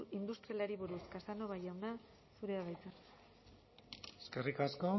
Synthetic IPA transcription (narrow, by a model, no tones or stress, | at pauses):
ind̪ust̪ɾialaɾiβuɾuskasano̞βajawna | suɾe̞aβajt͡sen | eskerikasko